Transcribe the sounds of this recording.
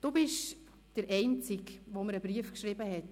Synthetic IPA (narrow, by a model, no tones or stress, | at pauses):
d̥obɪʃ | d̥əɾʔɛɪnt͡sɪkʋoməɾəbɾiəfkʃɾɪbəɦɛt